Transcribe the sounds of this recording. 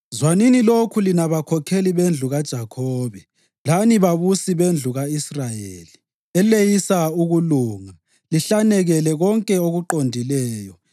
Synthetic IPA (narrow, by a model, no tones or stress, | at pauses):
zwaninilokʰulinaβakʰɔkʰeliβend͡ɮʱuɣad̥ʒ̥ʱakʰɔːβɛ | laniβaβusiβend͡ɮʱuɣaisrajeːli | ɛlejisauɣuluːŋa | liɬanɛɣɛlɛɣɔŋkʼɛoɣuǃondʱilɛːjɔ